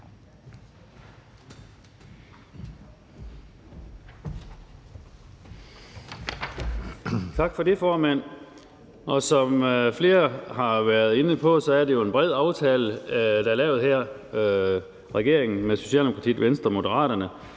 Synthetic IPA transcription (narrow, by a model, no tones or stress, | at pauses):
t͡sʰɑ̈ɡ̥fɒ̽defɒːmæn̰ | ʔɒ̽sɒ̽mfle̝ːɐhɑ̈ʋæɐð̞ˠe̝nəpʰɒ̽sɒ̽æɐde̝joe̝nb̥ʁɛð̞̰ˠɑ̈ʊt͡sʰɛːləd̥ɑæɐlɛːʊð̞̩ˠhæɐ̰ | ʁɛɡ̥e̝ɐ̰eŋn̩meso̝ɕɛ̰ldemokʰɑt͡sʰḭːʋensd̥ʁɐmo̝d̥əʁɑ̰̈ːɾɐnə